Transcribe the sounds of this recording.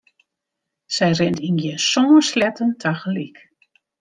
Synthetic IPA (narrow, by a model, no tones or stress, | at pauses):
sɛjrɪntinɡjɛsoməslɛtəntʰaxəlik